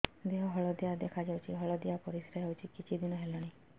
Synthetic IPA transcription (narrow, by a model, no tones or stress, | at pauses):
d̪eɦɔɦɔɭɔd̪ijad̪ekʰad͡ʒawt͡ʃʰiɦɔɭɔd̪ijapɔɾisɾaɦewt͡ʃʰikit͡ʃʰid̪inɔɦelɔɽ̃i